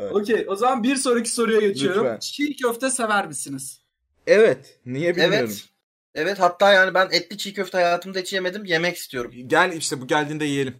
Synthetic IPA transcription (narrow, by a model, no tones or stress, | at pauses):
ocʰejo̞zamanbiɾso̞ɾucʰi̥so̞ɾujaɟe̞t͡ʃʰijo̞ɾumt͡ʃʰicøft̪ʰɛse̞væɾmisiniz̥ | ɛvɛt̪ | nijebievɛ | ɛvɛt̪hat̪ʰːaːjaːnibænɛt̪lʲit͡ʃʰiːcøft̪ɛhajaːt̪ʰɯmd̪aet͡ʃʰijeme̞d̪imje̞mɛci̥st̪ʰijo̞ɾumɟælʲiʃt̪ɛbuɟælʲd̪iːnd̪ɛjije̞lʲim